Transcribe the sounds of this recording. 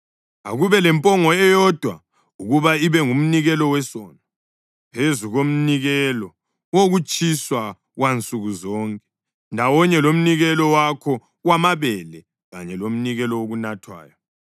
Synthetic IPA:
a̰ɣuβɛlɛmpʼɔŋɔɛjɔd̥ʱwa̰ | uɣuβaiβɛŋum̩niɣɛlɔwɛsɔːna | pʰezuɣom̩niɣɛlɔ | woɣut͡ʃʼiswa | ɣwant͡sʼuɣuzɔŋkʼɛ̥ | ndʱawɔɲɛlom̩niɣɛlɔwakʰɔ | wamaβɛlɛ | ɣaɲɛlom̩niɣɛlɔwoɣunatʰwa̰ːjɔ

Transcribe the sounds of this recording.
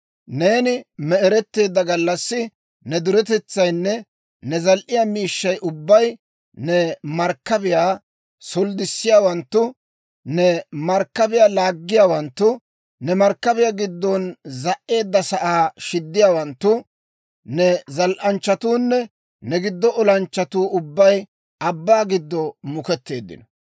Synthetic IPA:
neːnɪmɛʔɛɾɛt̪ːe̞ːd̪ːɐɡɐlːɐsːɪ | nɛd̪ʊɾɛt̪ɛt͡sːɐjnːɛ | nɛzɐlʔɪjaːmiːʃːɐjʔʊbːɐj | nɛmɐɾkːɐbɪjaː | sɔld̪ɪsːɪjaːwɐnt̪ːʊ | nɛmɐɾkːɐbɪjaːlaːɡːɪjaːwɐnt̪ːʊ | nɛmɐɾkːɐbɪjaɡɪd̪ːɔnzɐʔːe̞ːd̪ːɐsɐʔaːʃɪd̪ːɪjaːwɐnt̪ːʊ | nɛzɐlʔɐnt͡ʃːɐt̪uːnːɛ | nɛɡɪd̪ːɔʔɔlɐnt͡ʃːɐt̪uːʔʊbːɐj | ɐbːaːɡɪd̪ːɔmʊkɛt̪ːe̞̰ːd̪ːɪ̰nɔ̥

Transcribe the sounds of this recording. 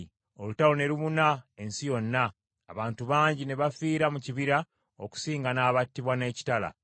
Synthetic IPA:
o̞lutawone̞ɾuβunae̞nsijo̞nːaː | βaːntuβaːɲɟine̞βafiːɾamuciβiɾa | oku̥siːŋɡanaːβatːiβwane̞ːci̥tala̰

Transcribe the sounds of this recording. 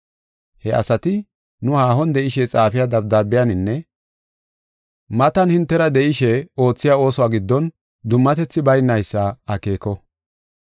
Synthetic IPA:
hɛʔɐ̰sɐt̪ɪ | nʊhaːɦɔnd̪ɛʔɪʃɛt͡sʼaːfɪjad̪ɐb̚d̪ɐɾbɪjɐnɪnːɛ | mɐt̪ɐnhɪnt̪ːɛɾɐd̪ɛʔɪʃɛo̞ːt͡sːɪjaːo̞ːsɔwaːɡɪd̪ːɔn | d̪ʊmːɐt̪ɛt͡sːɪbɐjnːɐjsːɐɐke̞ːkːɔ

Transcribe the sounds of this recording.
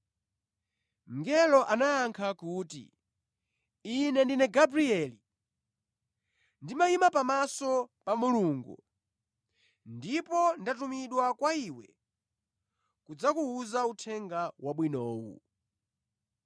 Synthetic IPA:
ŋ̩ɡɛlɔʔanaːŋkʰakuːtḭ | inɛndinɛɡabɾiɛli | ndimaimapamasɔpamuluːŋɡṵ | ndipɔndatumiɗwakwaiwɛ̰ | kud͡zakuːzautʰɛŋɡawaɓwinɔːwṵ

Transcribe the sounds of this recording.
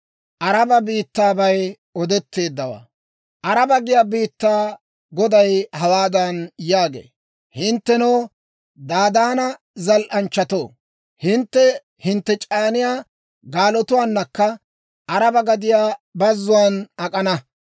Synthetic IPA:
ʔɐɾɐbɐbiːt̪ːaːbɐj | ɔd̪ɛt̪ːe̞ːd̪ːɐwa̰ː | ʔɐɾɐbɐɡɪjaːbiːt̪ːaː | ɡɔd̪ɐjhɐwaːd̪ɐnjaːɡḛː | hɪnt̪ːɛnoː | d̪aːd̪aːnɐ | zɐlʔɐnt͡ʃːɐt̪oː | hɪnt̪ːɛ | hɪnt̪ːɛt͡ʃʼaːnɪjaː | ɡaːlɔt̪ʊwaːnːɐkːɐ | ʔɐɾɐbɐɡɐd̪ɪjaːbɐzːʊwaːnɐkʼɐnɐ

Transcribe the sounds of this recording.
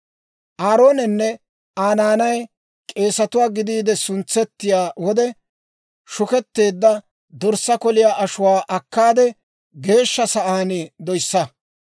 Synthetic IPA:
ʔaːɾo̞ːnɛnːɛ | ʔaːnaːnɐj | kʼe̞ːsɐt̪ʊwaːɡɪd̪iːd̪ɛsʊnt͡sːɛt̪ːɪjaːwɔd̪ɛ | ʃʊkɛt̪ːe̞ːd̪ːɐ | d̪ɔɾsɐkɔlɪjaːʔɐʃʊwaːʔɐkːaːd̪ɛ | ɡe̞ːʃːɐsɐʔaːnɪd̪ɔjsːɐ

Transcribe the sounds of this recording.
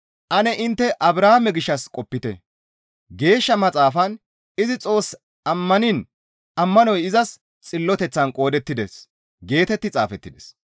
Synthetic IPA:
ʔɐnɛʔɪnt̪ːɛʔɐbɾaːhmɛɡɪʃːɐskʼɔpːɪt̪ɛ̰ | ɡe̞ːʃːɐmɐt͡sʼaːfɐn | ɪzɪt͡sʼo̞ːs | ɐmːɐnɪn | ʔɐmːɐnɔjɪzɐs | t͡sʼɪlːɔt̪ɛt͡sːɐnkʼo̞ːd̪ɛt̪ːɪd̪ɛs | ɡe̞ːt̪ɛt̪ːɪt͡sʼaːfɛt̪ːɪd̪ɛs

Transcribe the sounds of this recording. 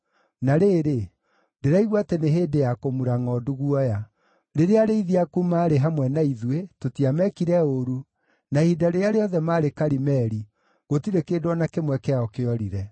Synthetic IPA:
naɾeːɾe | deɾaiɣwateneɦeːdejakomuɾaŋɔduɣwɔja | ɾeɾeaɾeiðiakumaːɾeɦamwɛnaiðwetotiamɛkiɾɛoɾu | nahidaɾeaɾeɔðɛmaːɾekaɾimɛɾi | ɣotiɾekedwɔnakemwɛkɛaɔkeɔɾiɾɛ

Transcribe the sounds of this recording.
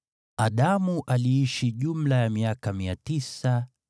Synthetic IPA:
aɗamuʔaliiʃiʄum̩lajamiakamiatisa

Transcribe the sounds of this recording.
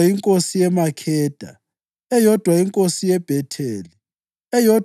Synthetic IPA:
iŋkʼosijɛmakʰɛːd̥ʱa̰ | ɛjɔd̥ʱwaiŋkʼosijɛb̥ʱɛtʰeːli | ɛjɔd

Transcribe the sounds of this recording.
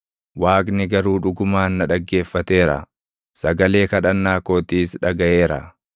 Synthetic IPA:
waːkʼnɪɡɐɾuːᶑʊɡʊmaːnːɐᶑɐɡːe̞ːfːɐt̪e̞ːɾɐ̰ | sɐɡɐle̞ːkɐᶑɐnːaːko̞ːt̪iːsᶑɐɡɐʔe̞ːɾɐ̰

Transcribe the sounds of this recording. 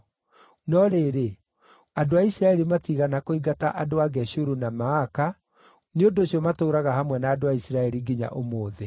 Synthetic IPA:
nɔɾeːɾe | adoaisɾaɛɾimatiɣanakoiɡata̰ʔadoaɣɛɕuɾunamaaka | neondoɕiɔmatoːɾaɣahamwɛnaːdoaisiɾaɛɾiɡiɲa̰ʔomoːðɛ

